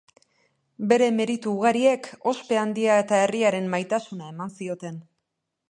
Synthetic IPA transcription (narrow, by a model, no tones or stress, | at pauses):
be̞ɾe̞me̞ɾit̪uːɣ̞aɾie̞ko̞spe̞and̪iae̞t̪ae̞riaɾe̞mːajt̪asunae̞mansio̞t̪e̞n